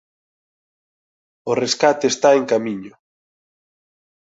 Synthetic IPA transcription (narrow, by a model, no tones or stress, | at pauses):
ʊreskat̪eːst̪aeŋkamiɲʊ